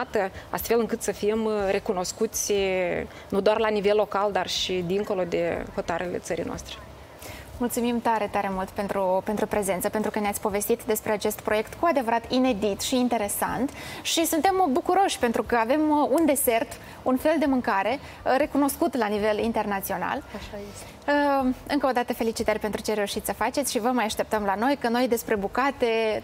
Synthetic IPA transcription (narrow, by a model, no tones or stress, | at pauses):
at̪əa̰st̪fe̞lɨŋkɨt̪səfimɾe̞kuno̞skut̪sʲ | nud̪oarlanive̞lːo̞kald̪arʃid̪iŋko̞lo̞d̪e̞ho̞t̪aɾele̞̰t̪səɾijnoa̰st̪ɾe̥ | mult̪sumimt̪aɾe̞t̪aɾe̞mult̪pent̪ɾupe̞nt̪ɾupɾe̞ze̞nt̪səpe̞nt̪ɾukəneatsʲpo̞ve̞st̪it̪d̪e̞spɾe̞at͡ʃe̞st̪pɾo̞je̞kt̪kuad̪evəɾat̪ine̞d̪it̪ʃiːnt̪e̞ɾe̞sa̰nt̪ʃisunt̪e̞mbukuɾo̞ʃʲpe̞nt̪ɾukəave̞mund̪e̞se̞rt̪ | unfe̞ld̪e̞mɨŋkaɾe̞ | ɾe̞kuno̞skut̪lanive̞lint̪e̞rnat̪sio̞na̰l | əɨŋkəo̞d̪at̪əfe̞lit͡ʃit̪əɾʲpe̞nt̪ɾut͡ʃe̞ɾe̞uʃit̪sʲsəfat͡ʃetsʲʃivəmajaʃt̪e̞pt̪əmlano̞jkəno̞jd̪e̞spɾe̞bukat̪e̞